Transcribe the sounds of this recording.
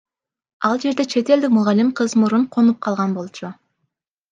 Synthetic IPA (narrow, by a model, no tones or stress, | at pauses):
ɑlˠd͡ʒe̞ɾd̪e̞t͡ʃʰe̞t̪e̞ld̪ikmʊʁalʲimqʰɯzmuɾuɴqʰonup̚qʰɑlˠʁɑnbo̞lˠt͡ʃʰu